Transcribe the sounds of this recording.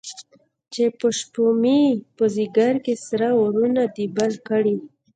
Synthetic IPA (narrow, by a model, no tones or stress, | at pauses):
t͡ʃepəʃpumipəziɡaɾkesaɾaoɾunad̪ibalkəɽi